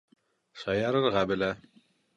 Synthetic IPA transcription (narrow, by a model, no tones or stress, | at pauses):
sɑjɑɾɤ̆ɾʁɑbɪ̆læ